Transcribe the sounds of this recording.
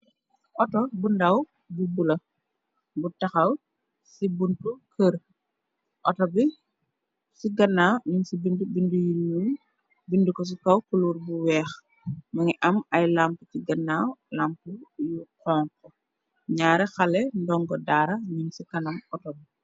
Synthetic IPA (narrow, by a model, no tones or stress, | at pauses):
ʔɔtɔbundɐw | bubulɐ | butɐxɐw | sibuntukʰəɾ | ʔɔtɔbi | siɡɐnːaːɲunsibindubindujiɲːum | bindukɔs̬ikɐwkuluːɾbuwɛːx | mɐŋiʔɐmɐjlamputiɡɐnːaːwlampujukɔːŋkɔ | ɲaːɾɛxɐlɛndɔŋɡɔdaːɾɐɲuŋsikɐnɐmɔtɔbi